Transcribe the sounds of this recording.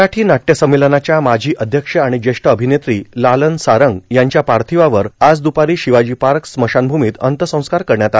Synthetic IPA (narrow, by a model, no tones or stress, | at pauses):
aʈʰiːnaʈːjəsəmːelənat͡ɕjamad͡ʑʱiːʔəd̪ʱjəkʂəaɽ̃id͡ʑeʂʈəəbʱinet̪ɾiːlalənsaɾəŋɡjaɲt͡ɕjapaɾt̪ʰiʋaʋəɾad͡zd̪upaɾiːɕiʋad͡ʑiːpaɾksməɕanbʱumiːt̪ənt̪əsə̃w̃skaɾkəɾɳjat̪a